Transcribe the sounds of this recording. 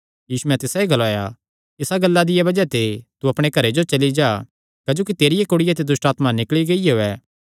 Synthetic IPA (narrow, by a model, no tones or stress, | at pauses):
jiːsumɛ̃t̪ɪsaiɡɐlaːja | ɪsaɡɐlːad̪ɪjabɐd͡ʒɛt̪et̪uɐpɽ̃ekɐɾed͡ʒot͡ʃɐlid͡ʒaː | kɐd͡ʒoːkit̪eːɾɪjekoːɽɪjat̪̬ed̪ʊsʈaːt̪manɪkɭiɡɐieoːɛː